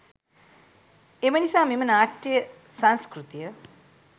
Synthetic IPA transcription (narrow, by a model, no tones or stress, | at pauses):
emənisaːmimənaːʈːijə | sanskɾut̪ijə